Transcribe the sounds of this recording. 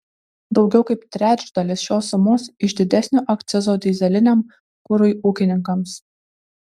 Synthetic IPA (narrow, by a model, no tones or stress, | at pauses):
d̪ɒʊɡʲɛʊkɐɪpt̪ʲɾʲæːt͡ʃʲd̪ɐlʲɪsʃʲoːsːʊmoːsɪʒd̪ʲɪd̪ʲɛsʲnʲoːʔɐkt̪sʲɪzoːd̪ʲiːzʲɛlʲɪnʲem | kʊɾʊjʔuːkʲɪnʲɪŋkɐms